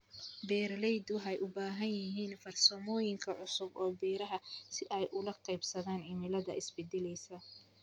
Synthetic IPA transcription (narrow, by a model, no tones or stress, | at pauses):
bɛːrlɛjd̪ʊɦɛjʔʊbaːɦɐnjɪɦiːnfɐrsɐmɔːjɪŋkʰɐʕʊsʊbɔːbiːɾɐɦɐsɪʔɛjʔʊlɐqʰɛjbsɐðaːnʕɪmɪlɐðɐ̰ʔɪsbɛd̪ɛlɛjsɐ